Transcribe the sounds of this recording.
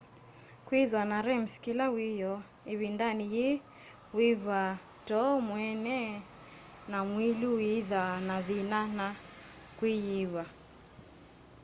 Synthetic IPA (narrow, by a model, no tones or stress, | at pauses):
kwiðwanaɾɛm̩skilawijɔ | iβindanije | wiβa | tɔmwɛnɛ | namwiluiðanaðinana | kwijiβa